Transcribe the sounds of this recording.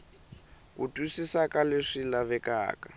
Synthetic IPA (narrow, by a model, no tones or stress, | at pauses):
kutʼusisakʼaleʂilaβɛka̰ːka